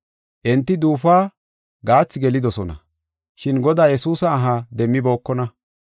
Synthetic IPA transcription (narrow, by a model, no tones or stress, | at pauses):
ʔɛnt̪ːɪd̪uːfaː | ɡaːt͡sːɪɡɛlɪd̪ɔsɔnɐ̰ | ʃɪnɡɔd̪aːjɛsuːsɐːɦad̪ɛmːɪbo̞ːkːɔnɐ